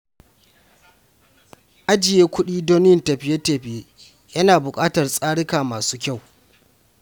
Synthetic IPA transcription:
ʔa˦d͡ʒɪ˨jeː˦kʷʊ˦ɗiː˦doː˦nɪ˦ɪ˦˨ntɐ˨ɸɪ˨je˦teː˨ɸɪ˨je˦ | jɐ˦naː˨bʊ˨kʼaː˦tɐ˨rsʼaː˦ɽɪ˦kaː˨maː˨suː˦kʲa˦˨w

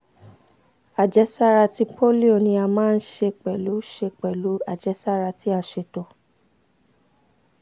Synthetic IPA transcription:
a˨d͡ʒɛ˦sa˦ɾa˧ti˧pʰo˦li˦o˨nĩ˧a˧mãː˦n̩˦ʃe˧k͡pɛ˨lu˨˦ʃe˧k͡pɛ˨lu˨˦a˦˨d͡ʒɛ˨˦sa˦ɾa˧ti˦a˧˨ʃe˧˨to˨

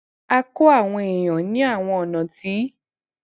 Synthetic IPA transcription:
a˧ko˦a˦˨w̃ɔ̃˧e˨j̃ã˨nĩ˨˦a˦˨w̃ɔ̃˧ɔ˨nã˨ti˨˦

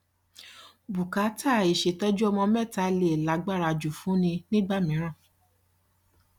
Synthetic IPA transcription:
bu˨ka˨˦ta˦˨e˨ʃe˨tɔ˦d͡ʒu˦ɔ˧mɔ̃˧mɛ˦˨ta˧le˦˨la˨˦ɡ͡ba˦˨ɾa˧˨d͡ʒu˨fũ˨˦nĩ˧nĩ˦ɡ͡ba˦˨mĩ˨˦ɾ̃ã˦˨

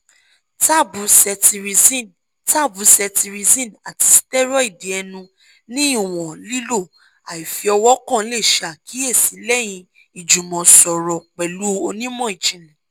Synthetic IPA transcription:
ta˦˨bu˨˦sɛ˧ti˧ɾi˧zi˦n | ta˦˨bu˨˦sɛ˧ti˧ɾi˧zĩ˦˨na˨ti˧si̥˦tɛ˦ɾɔ˦i˦˨di˨˦ɛ˧nũ˧ | nĩ˦˨w̃ɔ̃˨li˦lo˦˨ | a˨i˨fi˧ɔ˧wɔ˦kã˦˨˧le˦˨ʃa˨kʰi˨˦e˦˨si˨˦lɛ˦j̃ĩ˧ | i˨d͡ʒu˨mɔ̃˨sɔ˨ɾɔ˨k͡pɛ˨lu˨˦˧o˧nĩ˦mɔ̃˦˨i˨d͡ʒĩ˨lĩ˨

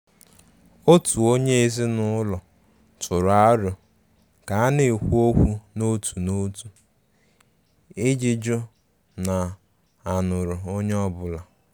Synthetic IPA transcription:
o˦tu˨o˦ɲe˦e˦zi˦nʊ˦lɔ˨ | tʊ˨ɾa˦ɾjʊ˨ | ka˨a˦ne˨kʷu˦o˦kʷu˦no˦tu˨no˦tu˨ | e˦d͡ʒi˦d͡ʒʊ˦ | na˨ | a˨nʊ˨ɾʊ˨o˦ɲe˦ɔ˦bʊ˨la˨

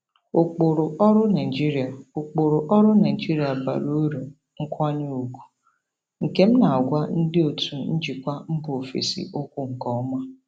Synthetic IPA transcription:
o˨k͡po˨ɾʊ˨ɔ˦ɾʊ˦na˨d͡ʒi˦ɾi˨a˨o˨k͡po˨ɾʊ˨ʔɔ˦ɾʊ˦na˨i˨d͡ʒi˦ɾi˨˦a˨ba̰˨ɾo˦ɾu˨ | ŋ̩˦kʷa˦ɲi˦u˨ɡu̥˨ | ŋ̩˨ke˦m̩˦na˨a˨ɡʷa˦n̩˦dɪ˦o˨tʰu˨n̩˦d͡ʒi˨kʷa˦m̩˦bʊ˨o˨fḛ˨sḭ˨ʔo˦kʷu˦˨ŋ̩˨kɔ˦ɔ˦ma˦

